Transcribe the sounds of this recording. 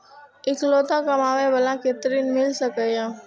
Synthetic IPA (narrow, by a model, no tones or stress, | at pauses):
ɪkloːt̪akəmaːʋebəlãket̪ɾinmɪlsəkəjã